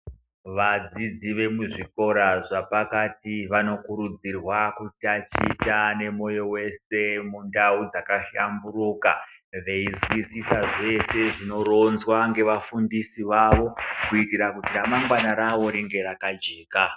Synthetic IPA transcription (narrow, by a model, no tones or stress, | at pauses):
ʋad͡zid͡ziʋe̞muʐiko̞ɾaʐapakatiʋano̞kuɾud͡zirwakutat͡ʃḭːtane̞mo̞jo̞we̞se̞mundaud͡zakaʃambuɾuːka̰ʋe̞izwisisaʐe̞se̞ʐino̞ro̞nzwaŋɡe̞ʋafundisiʋaʋo̞kuitiɾakutiramaŋɡwanaɾaʋo̞ɾiŋɡe̞ɾakad͡ʒe̞ːka